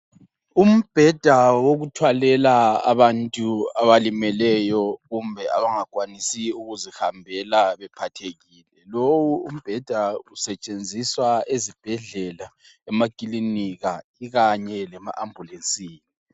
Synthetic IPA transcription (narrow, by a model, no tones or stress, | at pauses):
um̩b̥ʱɛd̥ʱawoɣutʰwalɛlaa̰βantʼuaβalimɛlɛjɔɣumbʱɛa̰βaŋakʼwanisiuɣuzihambʱɛlaβɛpʰatʰeɣiːlɛlowuṵm̩b̥ʱɛd̥ʱausɛt͡ʃʼend͡zʱiswaezib̥ʱɛɮɛla | ɛmakʼiliniɣaiɣaɲɛlɛma̰ʔambʱulent͡sʼiːni